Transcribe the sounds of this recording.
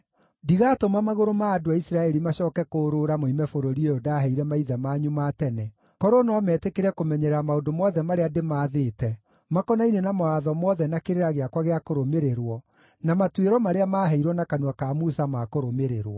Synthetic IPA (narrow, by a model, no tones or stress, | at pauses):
diɣatomamaɣoɾomaːdoaisiɾaɛɾimaɕɔːkɛkoːɾoɾamoimɛfoɾoɾiejodaːɦɛiɾɛmaiðamaːɲumatɛnɛ | kɔɾonwamɛtekeɾɛkomɛɲɛɾɾamaodomɔðɛmaɾeademaːðeːtɛ | makɔnainenamoaðɔmɔðɛnakeɾeɾaɣeakwaɣeakoɾomeɾeɾwɔ | namatweɾɔmaɾeamaɦɛiɾwɔnakanwakamusamakoɾomeɾeɾwɔ